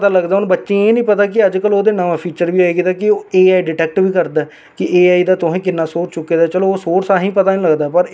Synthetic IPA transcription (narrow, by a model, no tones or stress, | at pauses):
t̪aːləɡd̪aːʊnːbətːʃẽːeːnĩːpət̪aːk̬ɪəd͡ʒkəloːd̪eːnəʋãːpʰiːt͡ʃəɾʋiːaːeɡɪd̪aːkɪoeːaːiɖɪʈɛːk̚ʈʋiːkəɾd̪aː | kɪeːaːid̪aːt̪ʊɦẽːkɪnːãːsoːt͡ʃt͡ʃʊkːeːd̪aːt͡ʃəloːoːsoːɾsaːɦĩːpət̪aːnĩːləɡd̪aːpəɾ